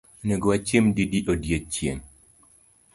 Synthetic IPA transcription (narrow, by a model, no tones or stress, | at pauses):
neɡoat͡ʃjemdidiʔodjet͡ʃjem